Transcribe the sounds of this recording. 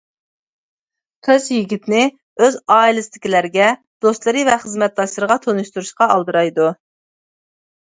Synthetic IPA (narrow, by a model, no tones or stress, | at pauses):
t̪ʰøzjiɡʲit̪nɪ | øzɑːilˠɨst̪ʰɪ̥kʲilæɾɡʲɛ | d̪̥ost̪lˠɨɾɨvɛχəzmɛt̪̚d̪ɑʃlˠəɾəʁɑt̪ʰonuʃt̪uɾuʃqɑɑlˠd̪ɨɾɑjd̪u